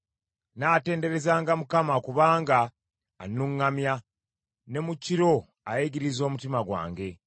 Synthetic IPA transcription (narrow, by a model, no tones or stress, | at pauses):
naːte̞ːnde̞ɾe̞zaːŋɡamukamakuβaːŋɡaː | nuŋːamja | ne̞muciɾo̞ | a̰jiɟiɾizo̞ːmutimaɡwa̰ːŋɡe̞